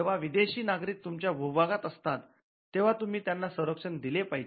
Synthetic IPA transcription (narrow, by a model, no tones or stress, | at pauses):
eʋ̤aʋid̪eɕiːnaɡɾiːk̚t̪umt͡ɕjabʱubaɡat̪əst̪at̪ː | eʋ̤at̪um̤iːt̪janːasəɾəkʂənd̪ilepaɦi